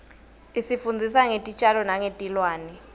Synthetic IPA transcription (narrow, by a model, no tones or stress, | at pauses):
isifund͡zʱisaŋetʼit͡ʃʼalɔnaŋetʼilwaːnɛ